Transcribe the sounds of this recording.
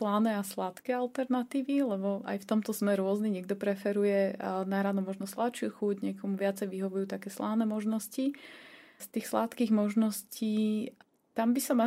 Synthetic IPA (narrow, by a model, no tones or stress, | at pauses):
lanɛaslat̪kɛalt̪ɛɾnat̪iːʋilɛbɔʔa̰jft̪ɔmt̪ɔzmɛɾʊɔzniɲɪɛɡ̚d̪ɔpɾɛfɛɾujɛnaɦɾanɔmɔʒnɔslat̪t͡ʃɪuxuɟɲɪɛkɔmuʋɪat͡sɛjʋiɦɔʋujuːt̪akɛːslaːnɛmɔʒnɔsci | st̪iːxslat̪kiːɣmɔʒnɔsciː | t̪ambisɔma